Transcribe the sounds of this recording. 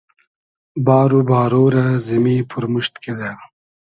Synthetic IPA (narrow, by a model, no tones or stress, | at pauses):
bɑːɾubɑːɾoɾazimiːpʰʊɾmuʃt̪ked̪a